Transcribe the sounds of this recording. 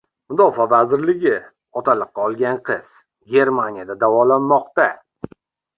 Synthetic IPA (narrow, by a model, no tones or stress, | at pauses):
mʊd̪ɒfavazɪɾlɪɡʲɪ | ɒt̪ʰalˠɨqːɑɒlˠɡʲanqʰɨz̥ | ɡʲe̞ɾmanijad̪ad̪avɒlanːɒqt̪a